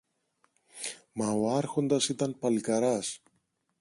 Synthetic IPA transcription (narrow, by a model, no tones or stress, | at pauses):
mɐoɐɾxo̞nd̪ɐsit̪ɐnpɐlikɐɾɐs